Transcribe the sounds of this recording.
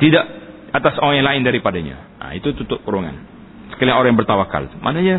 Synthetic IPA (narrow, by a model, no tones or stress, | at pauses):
t̪idaʔ | at̪asoɾaŋjaŋlaɪndaɾipadaɲa̰ | a̰it̪ut̪ut̪ʊʔuɾuŋa̰n | sə̥kaliaŋoɾaŋjaŋbərt̪awaka̰lmʔa̰naɲa